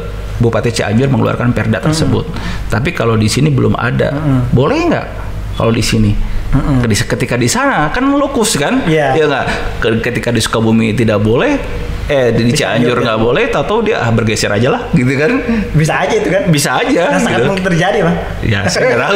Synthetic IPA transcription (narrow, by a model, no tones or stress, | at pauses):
bupat̪ɛt͡ʃiʔa̰ɲd͡ʒʊrməŋəlṵa̰rkanpɛrdat̪ərsəbʊ̰t̪̚ːapikalodisinibəlʊ̰ma̰da̰bolɛhŋɡa̰ʔ | ka̰lodisini | skət̪ikadisanakanlokʊskanjjaŋɡaʔkəkət̪ikadisu̥kabumit̪idaʔbolɛh | ɛdit͡ʃia̰ɲd͡ʒʊrŋɡaʔbolɛht̪at̪awdia̰ʔahbərɡesɛɾʔad͡ʒalahɡit̪ukanbisaːd͡ʒait̪ukanbisaːd͡ʒaat̪t̪ərd͡ʒadima | ja̰saɾa